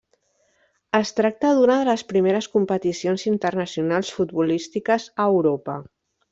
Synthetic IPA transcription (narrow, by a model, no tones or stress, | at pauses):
əst̪ɾak̚t̪əðunəðələspɾimeɾəskumpət̪isionzint̪ərnəsijunalˠsfud̪̚βulist̪ikəzəːwɾopə